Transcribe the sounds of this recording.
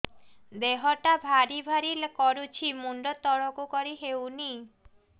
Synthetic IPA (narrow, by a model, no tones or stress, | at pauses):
d̪eɦɔʈabʱaɾibʱaɾilekɔɾut͡ʃʰimuɳɖɔt̪ɔɽɔkukɔɾiɦewni